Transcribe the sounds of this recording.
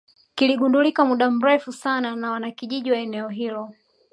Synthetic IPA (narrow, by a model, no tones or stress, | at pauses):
kiliɠundulikamuɗam̩ɾɛfusananawanakiʄiʄiwaɛnɛɔɦilɔ